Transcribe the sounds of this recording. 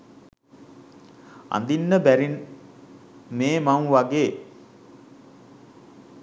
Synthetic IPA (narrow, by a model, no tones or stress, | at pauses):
a̰nd̪inːəbæɾin | meːmamʋaɡeː